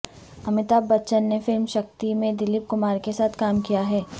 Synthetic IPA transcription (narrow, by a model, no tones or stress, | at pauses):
ɐmɪt̪aːbɐtːʃənːefɪlmʃɐk̚t̪imẽd̪ɪlɪp̚kʊmaːɾkesaːt̪ʰkaːmkijaɦɛː